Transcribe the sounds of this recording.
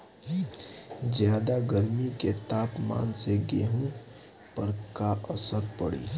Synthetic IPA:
zjaːd̪aɡəɾmiket̪aːpma̰ːnseɡeːɦũ | pəɾkaʔəsəɾpəɽḭː

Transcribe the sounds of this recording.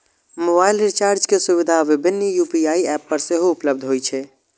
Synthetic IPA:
mobailɾit͡ʃaːɾd͡ʒkesuβid̪ʱaʋɪbʱɪnːjupiaːiɛpːəɾseɦoːpləb̚d̪ʱɦojt͡ʃʰɛ

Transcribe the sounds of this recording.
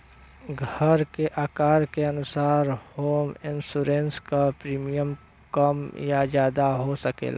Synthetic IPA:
ɡʱəɾkeʔaːkaːɾkeɐnʊsaːɾhoːmɪnsuːɾẽnskapɾiːmijəm | kəmjazjaːd̪aɦosəkḛːla̰ː

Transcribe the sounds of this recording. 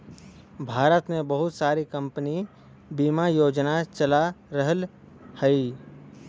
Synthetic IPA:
bʱaːɾət̪mẽbəɦʊt̪saːɾikə̃mpəni | bimajoːd͡ʒnat͡ʃəlaɾəɦəl | həi

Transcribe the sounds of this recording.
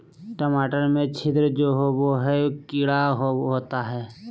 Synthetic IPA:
ʈəmaːʈəɾmẽt͡ʃʰɪd̪ɾəd͡ʒoːɦowoɦɛkɪɽaɦoɦoːt̪aɦɛː

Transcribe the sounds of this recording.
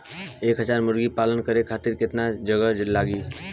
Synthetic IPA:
eːkɦəd͡ʒaɾmʊɾɡipalənkəɾekʰat̪iɾkɪt̪nad͡ʒəɡəlːaɡi

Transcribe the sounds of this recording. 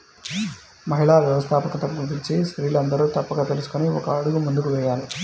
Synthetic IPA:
mɐɦiɭaːʋjɛʋɐst̪ʰaːpɐkɐt̪ɐkːud̪it͡ʃisɾiːlɐnd̪ɐɾut̪ɐpːɐɡɐt̪elisu̥koniɔ̰kːɐːɽuɡumund̪ukuʋɛjaːlɐ

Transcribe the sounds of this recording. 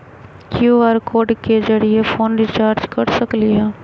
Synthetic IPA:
kjuːaːɾkoːɖkezɐɾiefoːnɾit͡ʃaːɾd͡ʒkɐɾsɐkliɦɛ̃ː

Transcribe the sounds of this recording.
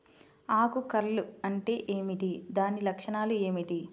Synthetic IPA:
aːkukɐɾɐluɐɳʈe̞ːʔeːmiʈ̪id̪aːnilɐkʂɐɳaːlue̞ːmiʈ̪i

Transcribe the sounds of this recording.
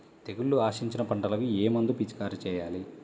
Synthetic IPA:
t̪e̞ɡulːuaːʃiɲt͡ʃinɐpɐɳʈɐlɐkieːmɐnd̪upit͡ʃkaːɾit͡ʃɛːjaːli

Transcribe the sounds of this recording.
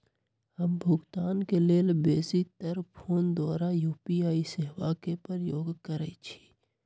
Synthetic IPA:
həmbʱʊɡt̪aːnkeleːlbeːsit̪əɾpʰoːnd̪waːɾajuːpiaːiseɦwakepəɾjoːɡkəɾɛit͡ʃʰi̥

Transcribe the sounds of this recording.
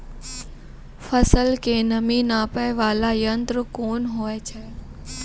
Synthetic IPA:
fəsəlkeːnɐminaːpəʋaːlajənt̪ɾəkoːnɦoːet͡ʃʰɛː

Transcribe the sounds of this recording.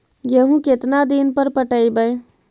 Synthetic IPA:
jəɦũket̪nad̪inpəɾpəʈəibəj

